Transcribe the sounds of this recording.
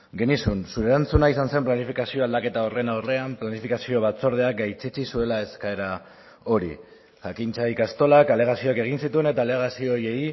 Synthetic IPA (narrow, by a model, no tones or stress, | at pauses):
ɡe̞nisunsuɾe̞ɾant͡sunaisanse̞mplanifikasio̞ald̪ake̞t̪ao̞re̞naore̞amplanifikasio̞β̞at͡so̞ɾð̞e̞ak̚ɡajt͡set͡sisue̞lae̞skae̞ɾa | o̞ɾḭ | ʝakint͡saikast̪o̞lakale̞ɣ̞asio̞ake̞ɣ̞insit̪uene̞t̪aːle̞ɣ̞asio̞je̞j